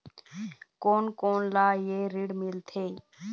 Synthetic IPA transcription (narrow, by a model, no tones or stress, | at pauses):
koːnkoːnlaːjeːɾɪɽmɪlt̪ʰeː